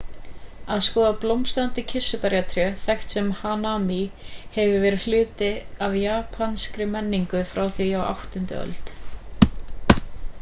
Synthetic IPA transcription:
aðskɔːðaplowmst̪ant̪ɪcʰɪsːʏpɛɾjat̪ʰɾjœθɛxt̪sɛmhanamihɛvɪvɛːɾʏlʏːt̪ɪavjaːpʰanskɾɪmɛnːiŋkʏfɾawθijawa̰wht̪ʏnt̪ɪ̰œ̰lt̪

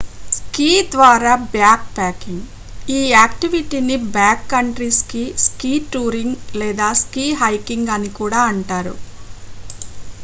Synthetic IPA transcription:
skiːd̪ʋaːɾaːbjaːk̚paːkiŋɡ | iːaːkʈiʋiʈinibjaːkːɐɳʈɾiskiskiːʈuːɾiŋɡlɛːd̪aːskiːɦɐjkiŋɡɐnikuːɽaːɐɳʈaːɾṵ

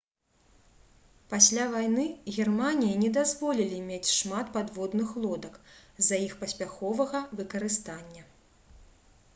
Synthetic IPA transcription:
pasʲlʲavajnɨɣʲɛrmanʲijinʲɛd̪azvɔlʲilʲimʲet͡sʲʂmat̪pad̪vɔd̪nɨxlˠɔd̪ɐkzɐjixpɐsʲpʲaxɔvɐɣɐvɨkɐɾɨst̪anʲːɐ

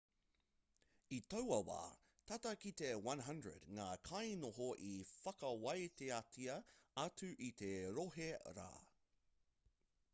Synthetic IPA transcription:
it̪ɐwɐwa̰ː | t̪ʰatɐkit̪ewɐ̃nɦɐ̃ndɹə̰dŋaːkʰɐjnoɦoʔifɐkɐwɐjt̪eatʰiɐɐtʉʔit̪eɾoɦeɾa̰ː

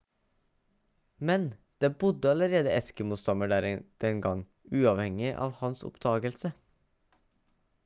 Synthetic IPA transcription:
mɛnd̪̥eːbʊd̪əɑləɾeːd̪əɛskəmuːst̪ɑməɖæd̪̥ɛnɡɑŋ | ʉːɑʋhɛŋɪʔɑ̰ːʋhɑnsʊ̰pd̪̥ɑːɡəlsə

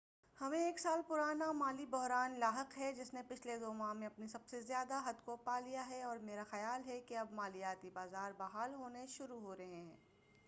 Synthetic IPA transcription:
hɐmẽeːksaːlpʊɾaːnamaːlibɔɦɾaːnlaːɦəqɦɛd͡ʒɪsnepɪt͡ʃʰled̪oːmaːɦmẽɐpnisɐbsezjaːd̪aɦɐd̪kopaːlijaɦɛɔːɾmeːɾaxɐjaːlɦɛkeɐbmaːlijaːt̪ibaːzaːɾbaɦaːlɦoːneʃʊɾuɦoːɾɐɦẽɦɛ̃ː

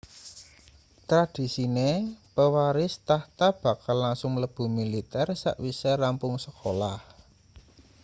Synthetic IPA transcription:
t̪ɾad̪̥i̤sinepəwaɾɪst̪aht̪ab̥ä̤kalːaŋsʊŋləb̥ṳmilit̪ɛrsa̰ʔwiserampʊŋsəkʰolah

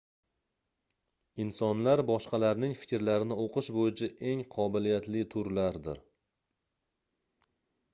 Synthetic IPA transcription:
ɪnsɒnlaɾbɒʃqɑlaɾnɪŋfɪ̥kʲɾlaɾɪnɪoqʰɨʃbojɪt͡ʃʰaʔe̞ŋqʰɒbɪlijat̪lɪt̪ʰʊɾlaɾd̪ɪ̰ɾ

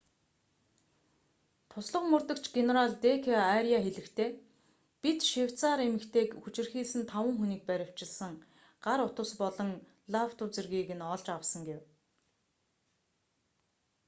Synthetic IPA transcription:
t̪ʰʊsɮə̆qmɵrt̪ə̆kt͡ɕɡeneɾaɮt̪ekʰeaɾiaxeɮɘ̆kt̪ʰeː | pit̪ʃiw̥ʲt͡saːɾemɘ̆kt̪ʰeːkxut͡ɕɪ̆rxiːɮsɘ̆nt̪ʰawə̆ŋxuniːk̚pæɾʲɪ̆w̥t͡ɕɪ̆ɮsə̆ŋ | ɢ̥aɾʊt̪ʊ̆spɔɮɞ̆ŋ | ɮaw̥t̪ʊt͡serɣiːɣɘ̆nɔɮt͡ɕawsə̆ŋɡew

